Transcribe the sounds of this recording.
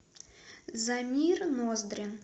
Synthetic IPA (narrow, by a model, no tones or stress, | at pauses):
zamʲirnozd̪ɾʲɪn